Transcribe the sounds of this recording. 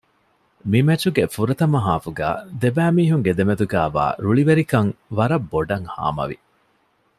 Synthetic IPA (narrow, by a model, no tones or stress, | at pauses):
mimɐt͡ʃuɡefuɾɐt̪ɐmɐɦaːfuɡæ̰ːd̪ebæːmiːɦuŋɡed̪emed̪uɡæːʋa̰ːɾuɭiʋeɾikɐŋʋɐɾɐbːoɖɐŋha̰ːmɐ̰ʋḭ